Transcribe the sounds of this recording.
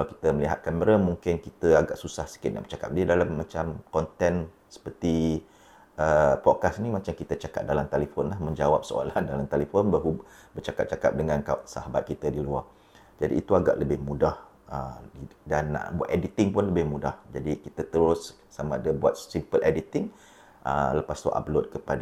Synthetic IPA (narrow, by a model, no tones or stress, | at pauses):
kaklawki̥t̪əməliɦat̪̚kaməɾamuŋkɪnkit̪əaɡaʔsusahsə̥kɪt̪na̰ʔbət͡ʃaka̰p̚didalamːat͡ʃamkɔnt̪ɛn | sə̥pərt̪i | ʔəpɔd̚kasnimat͡ʃamkit̪ət͡ʃaka̰t̪̚dalamt̪elifonlahmə̃ɲd͡ʒawap̚səo̰landalamt̪elifʊnbaɦu | bət͡ʃakatp̚t͡ʃaka̰p̚dəŋãnkaʔsa̰ɦabat̪̚kit̪adilua | d͡ʒadḭːt̪uaɡa̰ʔləbɪhmudah | ədanːa̰ʔbua̰t̪edit̪ɪŋpʊnləbɪhmudahd͡ʒadikit̪at̪əɾʊs | samãadabuat̪̚simpəlʔedit̪ɪŋ | ʔə̰ləpast̪uʔa̰p̚lot̪̚kəpad